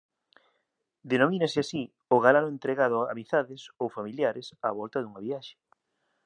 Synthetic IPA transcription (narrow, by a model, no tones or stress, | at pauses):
d̪enomĩnesɪasi | oɣalaɾʊent̪ɾeɣað̞ʊaa̰miθaðɪsowfamiljaɾɪsaβɔlt̪ɐðuŋɐβiaʃe̥